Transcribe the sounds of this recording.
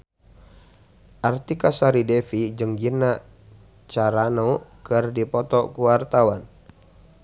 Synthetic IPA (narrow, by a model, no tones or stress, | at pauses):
ʔart̪ikasaɾidefid͡ʒəŋɡina | t͡ʃaɾanɔkərdipɔt̪ɔkuwart̪awan